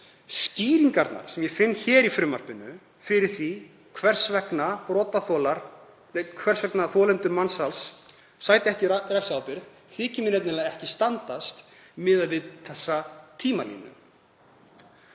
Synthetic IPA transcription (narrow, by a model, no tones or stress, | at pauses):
sciːɾiŋkaɾt̪na̰ɾ̥sɛmjɛfɪnːçɛːɾifɾʏːmar̥pɪnːʏ | fɪɾɪɾ̥θvi | kʰvɛr̥svɛknapɾɔːt̪aθɔːlaɾ̥ | kʰvɛr̥svɛknaθɔːlɛnt̪ʏɾmansals | saːjt̪ɪɛhcɪrɛksawpɪɾð | θɪːcɪmɪnɛt̪nɪnaðɛhcɪst̪ant̪ast̪ | mɪðaðvɪðθɛsːat̪ʰiːmalḭːnːʏ̰